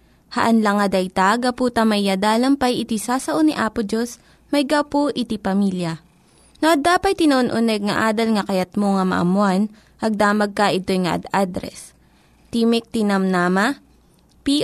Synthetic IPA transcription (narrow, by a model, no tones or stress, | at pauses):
hɐ̰ʔɐnlɐŋɐd̪ɐjt̪aɡɐpuːt̪ɐmɐjːad̪aːlɐmpɐjɪt̪isaːsɐʔoniʔaːpʊd͡ʒos | mɐjɡawpoʔɪt̪ipɐmiljɐ | noʔɐd̪aːpɐjt̪ɪnɐoonʔʊnɛɡ̚ŋɐʔaːd̪ɐlŋɐkɐjɐt̪̚moŋɐmɐ̰ʔɐ̰mʊan | ʔɐɡ̚d̪aːmɐɡ̚kɐʔɪt̪o̞jŋɐʔɐ̰d̪ad̪ɾɛ̰s | t̪iːmɪk̚t̪ɪnɐmnaːmɐ | pi